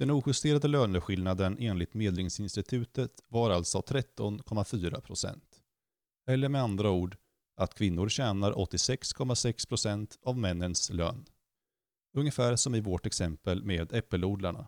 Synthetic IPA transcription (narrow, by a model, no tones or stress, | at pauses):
d̪̥ɛnuːɧɵst̪eːɾad̪əløːnəɧɪlnad̪ənʔeːnlɪt̪meːd̪lɪŋsɪnst̪ɪt̪ʰʉ̟ːt̪ət̪vaɾalt̪sɔt̪ʰɾɛt̪ːɔnkʰɔmːafyːɾa̰pʰɾʊsɛ̰nt̪ | ɛlːəɾmɛand̪ɾauːɖ | ʔat̪kʰvɪnːʊɾɕɛːnaɾʔɔ̰t̪ːɪsɛkskʰɔmːasɛkspʰɾʊsɛnt̪avmɛnːənslø̰ːn | ɵŋəfæːɾʂɔmɪvoːʈɛksɛmpəlmeːd̪ɛpːəluːɖlaɳa̰